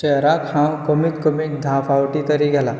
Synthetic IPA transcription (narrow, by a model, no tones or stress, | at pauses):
t͡ʃeɾakhãwkəmik̪kəmik̚d̪ʱafawʈit̪əɾiɡʱɛla